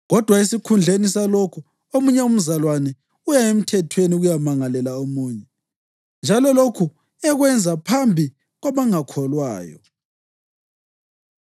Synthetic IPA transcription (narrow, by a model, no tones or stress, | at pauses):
ɣɔd̥ʱwaesikʰund͡ɮʱenisalokʰu | omuɲɛum̩zalwanɛ | ujaem̩tʰɛtʰweniɣujamaŋalɛlaomuːɲɛ | nd͡ʒʱalɔlokʰu | ɛɣwɛnd͡zʱapʰambʱi | ɣwaβaŋakʰɔlwa̰ːjɔ̰